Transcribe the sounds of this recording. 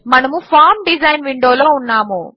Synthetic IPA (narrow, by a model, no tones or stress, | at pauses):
mɐnɐmupʰaːɾmɖid͡ʒɐjnʋiɳɖoːloːunːaːmu